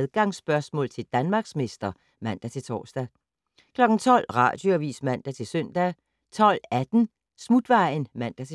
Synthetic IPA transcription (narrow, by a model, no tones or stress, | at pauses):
ðˠɡ̥ɑ̈ŋsb̥ɶɐsmɔ̰̽ːlt͡sʰe̝ld̥ænmɑ̈ːɡ̥sme̝sd̥ɐ | mæn̰d̥æt͡sʰe̝lt͡sʰɒ̰ːsd̥æ | kʰlɒ̽ɡ̥n̩t͡sʰɒ̽l̰ʁɑ̰̈ːd̥joæʋḭːsmæn̰d̥æt͡sʰe̝lsøn̰d̥æ | t͡sʰɒ̽l̰æd̥n̩ | smud̥ʋɑ̈ɪ̰n̩mæn̰d̥æt͡sʰe